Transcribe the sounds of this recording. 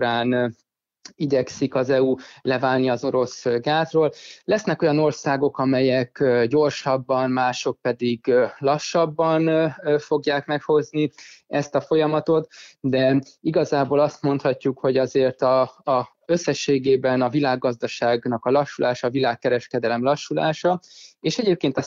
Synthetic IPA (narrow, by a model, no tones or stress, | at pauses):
uɾaːn | iɟɛksikɒzɛulɛvaːlniɒzo̞ɾo̞sɡaːt̪roːllɛsnɛko̞jɒno̞rsaːɡo̞kɒmɛjɛkːɟo̞rʃɒbːɒnmaːʃo̞k̚pɛd̪iɡlɒʃːɒbːɒnfo̞ɡjaːkmɛkho̞zniɛst̪ɒfo̞jɒmɒt̪o̞t̪d̪ɛiɡɒzaːboːlɒst̪mo̞nt̪hɒcːukho̞ɟɒzeːrt̪ɒ | øsːɛʃːeːɡeːbɛnɒvilaːɡːɒzd̪ɒʃaːɡnɒkɒlɒʃːulʔaːʃɒːvilaːkːɛɾɛʃkɛd̪ɛlɛmlɒʃːula̰ːʃɒeːʃɛɟeːp̚keːnt̪